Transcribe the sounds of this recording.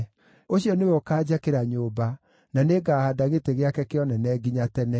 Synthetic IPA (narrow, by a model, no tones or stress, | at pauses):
oɕiɔnewokaːd͡ʑakeɾaɲoːba | naneɡaːhadaɣeteɣeakɛkeɔnɛnɛɡiɲatɛnɛ